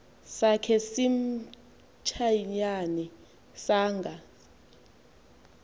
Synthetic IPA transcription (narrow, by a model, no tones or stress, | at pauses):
sakʰɛsim | t͡ʃʰaɲani | saːŋɡʱa